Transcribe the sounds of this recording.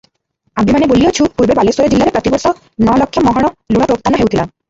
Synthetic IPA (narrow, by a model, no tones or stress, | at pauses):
aimanebolijot͡ʃʰupuɾbebalesoɾed͡ʑilːaɾepɾɔt̪ibɔɾsɔ | nɔlɔkʰːjɔmɔɦɔɽ̃ɔlũɔpɾop̚t̪anɔɦewt̪ʰila̰m